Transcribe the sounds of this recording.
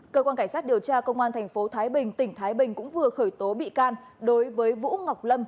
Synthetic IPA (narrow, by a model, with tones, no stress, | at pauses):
kəː˧kwaː˧nka˧˩ŋsaː˦˥t̚i˨˩əwt͡ɕaː˧kə˧wŋ͡mʔaː˧nt̪ʰɛ˨˩ŋ̟fo˨˦t̪ʰaː˨˦jɓï˨˩ŋ̟t̪ï˧˩ŋ̟t̪ʰaː˨˦jɓï˨˩ŋ̟kʊ̰˧˥ŋ͡mvɨ˨˩əxəː˧˩jt̪o˨˦ɓḭ˧˨kaː˧n | ɗo˨˦jvəː˨˦jvṵ˧˥ŋa˨˩wk͡p̚lə˧m